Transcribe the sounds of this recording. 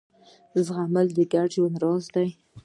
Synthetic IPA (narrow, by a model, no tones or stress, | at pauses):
zɣaməld̪əɡaʈənɾɑzd̪aj